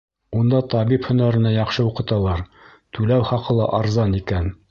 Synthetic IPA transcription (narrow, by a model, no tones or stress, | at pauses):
und̪ɑt̪ɑβiphɵ̆næɾɘ̆næjɑqʃɤuqɤ̆t̪ɑlˠɑɾ | t̪ʉlæwχɑqɤ̆lˠɑ̰ʔɑɾzɑnikæn